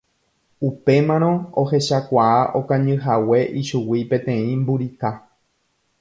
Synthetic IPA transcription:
upe̞mãɾ̃õoɦe̞ʃakʷaaʔo̞kãɲɨ̃ɦawe̞ʔiʃuwipẽ̞t̪ẽ̞ĩmbuɾika

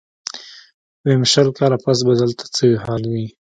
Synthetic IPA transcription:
wemʃalkɑlapas̬bad̪alt̪ʰḁt͡səwiɦɑlwi

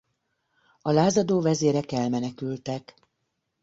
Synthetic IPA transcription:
ɒlaːzɒd̪oːvɛzeːɾɛkɛlmɛnɛkylt̪ɛk

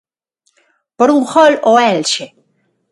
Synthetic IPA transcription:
poɾuŋxoloelʃe

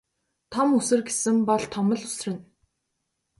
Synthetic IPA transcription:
t̪ʰɔmusɘ̆rɡesɘ̆mpɔɮt̪ʰɔmə̆ɮʊ̥srɘ̆n

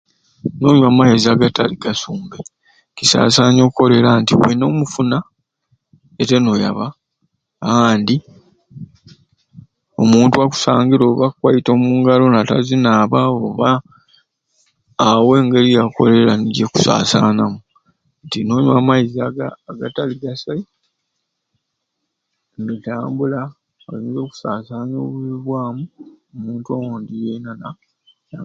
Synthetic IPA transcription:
no̞ːɲwamajizaːɡataliɡasuːmbe | cisa̰ːsaːɲo̞ːko̞le̞ɾantiweno̞ːmufuna | ete̞no̞ja̰βa | aːndi | o̞muːntuaku̥saːŋɡiɾo̞ːβakwajito̞ːmuːŋɡalo̞nata̰zinaːβaoːβa | we̞ːŋɡe̞lijako̞̰le̞laniɟeku̥sa̰ːsaːnamu | ntino̞ːɲamaizaɡaːɡataliɡasai | ŋɡetaːmbula | oliːnzo̞ːku̥saːsaːno̞ːβuziβwaːmuomuːntuawoːndijenana | ja

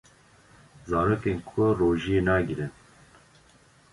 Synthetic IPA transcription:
zɑːɾoːkeːnkʰʊroːʒienɑːɡiɾɨn

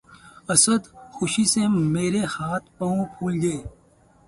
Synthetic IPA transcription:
ɐsəd̪xʊʃisemeːɾehaːt̪̚ʰpɐũpʰuːlɡɐe

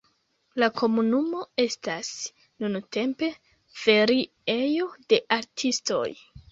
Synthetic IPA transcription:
lakʰo̞munumo̞e̞stas | nunute̞mpe̞ | fe̞ɾi | ejo̞de̞ʔaɾtʰisto̞̰j

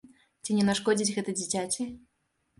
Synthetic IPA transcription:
t͡sʲinʲɛnaʂkɔd͡zʲit͡sʲɣɛt̪ɐd͡zʲit͡sʲat͡sʲi

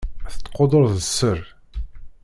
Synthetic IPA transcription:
θət̪ːqod̪ˤoɾðəsːəɾ

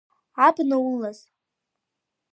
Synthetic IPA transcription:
atnawulːaz̥

